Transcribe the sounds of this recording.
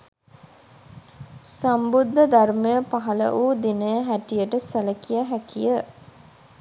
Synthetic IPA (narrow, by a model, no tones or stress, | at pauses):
sambud̪ʱːəd̪armejəpaɦɐlə̰ʔuːd̪inəjəɦæʈijəʈəsæləkijəɦækijə